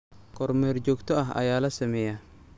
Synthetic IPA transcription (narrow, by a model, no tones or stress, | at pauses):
kɔɾmɛːrd͡ʒɔːɡt̪ɔɐɦɐ̰jaːlɐsɐmɛja